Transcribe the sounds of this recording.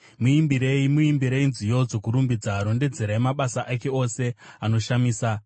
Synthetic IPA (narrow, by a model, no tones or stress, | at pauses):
muimbiɾe̞imuimbiɾe̞inzijo̞d͡zo̞kuɾumbid͡zaɾo̞nde̞d͡ze̞ɾaemaɓasaʔake̞o̞se̞ano̞ʃamiːsa